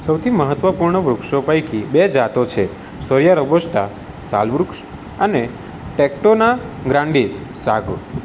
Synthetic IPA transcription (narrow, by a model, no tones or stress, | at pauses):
səwt̪ʰiməɦət̪ʋəpuɾɳəʋɾukʃopajkibed͡ʒat̪ot͡ʃʰe | səɾjaɾəboʃt̪a | sa̰lʋɾukʃ | əne | ʈek̚ʈonaɡɾãɳɖissaɡʱṵ